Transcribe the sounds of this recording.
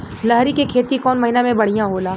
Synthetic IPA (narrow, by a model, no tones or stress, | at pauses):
lɐɦɾikekʰeːt̪ikɔːnmɐɦinamẽbɐɽ̤ijãɦoːlaː